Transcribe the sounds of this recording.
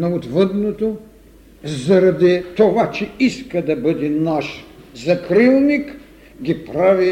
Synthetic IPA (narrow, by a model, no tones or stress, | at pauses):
nɐot̪vəd̪not̪o | zɐɾɐd̪it̪ovat͡ʃɛiskɐd̪ɐbəd̪ɛnaʃzɐkɾilˠnik | ɡʲipɾavi